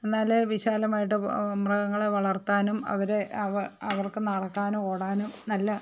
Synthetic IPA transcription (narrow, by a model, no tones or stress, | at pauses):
e̞nːaːleʋiɕaːlɐmaːjiʈːɨmrɐɣɐŋːɐɭeʋɐɭɐrt̪ːaːnumɐ̰ʋɐɾeɐɐʋɐrkɨnɐɽɐkːaːnumoːɽaːnumnɐlːɐ